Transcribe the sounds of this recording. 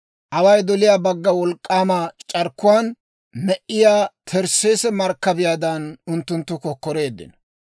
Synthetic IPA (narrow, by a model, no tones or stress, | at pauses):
ʔɐwɐjd̪ɔlɪjaːbɐɡːɐwɔlkʼːaːmat͡ʃʼɐɾkːʊwaːn | mɛʔɪjaːt̪ʰɛɾseːsɛmɐɾkːɐbɪjaːd̪ɐnʊnt̪ːʊnt̪ːʊkɔkːɔɾe̞ːd̪ːɪ̰nɔ